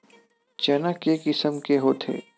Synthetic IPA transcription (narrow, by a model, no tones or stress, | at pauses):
t͡ʃənəkekɪsəmkeɦoːt̪ʰḛː